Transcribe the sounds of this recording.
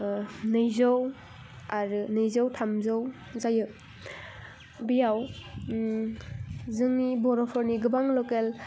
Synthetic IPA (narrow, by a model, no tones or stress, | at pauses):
nɯjzɔw | aɾɯnɯjzawtʰamzow | zajɯ | bijaw | zɯŋnibɔɾɔpʰɔɾniɡɯbaŋlɔkel